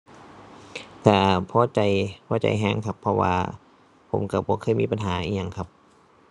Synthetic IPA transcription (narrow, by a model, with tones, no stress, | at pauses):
ka˧˩pʰɔː˧˥t͡ɕa˨˦jpʰɔː˧˥˩t͡ɕa̰˨jɦɛː˧˥˨ŋkʰa˧pʰːɔ˧wa̰ː˧ | pʰo˨˩˦mka˧˩bɔː˧˦kʰɤː˧˥˨miː˧˥˨pa˨nɦaː˨˦ʔiː˧˩ɲa˧˨ŋkʰa˧p̚